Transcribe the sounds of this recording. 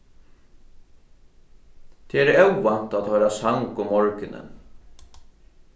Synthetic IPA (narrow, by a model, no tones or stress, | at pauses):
t̪ʰɛɛɾɛwvan̥t̪at̪hœjɾasaŋkʊmːɔɹkɪnɪ̰n